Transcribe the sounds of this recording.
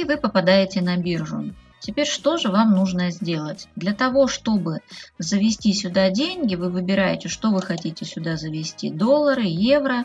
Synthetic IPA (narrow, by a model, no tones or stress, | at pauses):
ivɨpəpɐd̪ajɪtʲɪnɐbʲirʐʊ̰ | tʲɪpʲeɾʲʂt̪o̞ʐɨvamnuʐnəzʲdʲe̞lˠətʲd̪lʲɐt̪ɐvo̞ʂt̪o̞bɨzəvʲɪsʲtʲisʲʊd̪adʲenʲɡʲɪvɨvɨbʲɪɾajɪtʲɪʂt̪o̞vɨxɐtʲitʲɪsʲʊd̪azəvʲɪsʲtʲid̪o̞lˠːəɾɨje̞vɾə